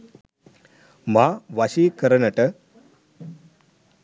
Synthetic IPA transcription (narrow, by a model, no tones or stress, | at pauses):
maʋaɕikəɾənaʈə